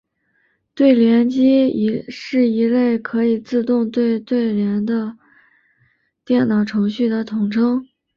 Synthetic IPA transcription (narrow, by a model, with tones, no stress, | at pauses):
t̪we˥˩ɪljɛ˧˥nt͡ɕi˥i˧˥ʂɻ̩˥˩i˧˥le˥˩ɪkʰɤ˧˥i˨˩t͡sɹ̩˥˧t̪ʊ˥˧ŋt̪we˥˧ɪt̪we˥˩ɪɻjɛ˧˥nd̪ə˧ | t̪jɛ˥˩nnɑ˨˩ʊʈ͡ʂʰɤ˧˥ŋɕy˥˩d̪ə˩t̪ʰʊ˨˩ŋʈ͡ʂʰɤ˥ŋ